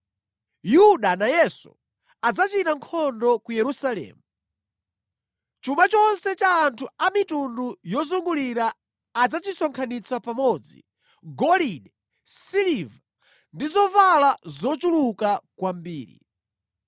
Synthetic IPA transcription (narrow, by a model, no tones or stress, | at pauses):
juɗanajɛsu̥̰ | ad͡zat͡ʃitaŋkʰɔndɔkujɛɾusalɛ̰ːmu | t͡ʃumat͡ʃɔnsɛt͡ʃaːntʰuamitundujɔzuŋɡuliɾaː | d͡zat͡ʃisɔŋkʰanit͡sʰapamɔd͡zḭ | ɡɔliɗɛ | siliva | ndizɔvalazɔt͡ʃulukakwambiːɾḭ